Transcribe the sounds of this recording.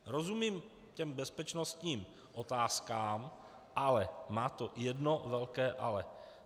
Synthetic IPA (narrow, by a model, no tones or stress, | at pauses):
ɾozumiːm | cɛmbɛspɛt͡ʃnost̪ɲiːm | ʔo̞t̪aːskaːm | ʔalɛmaːt̪ojɛdno̞vɛlkɛːʔalɛ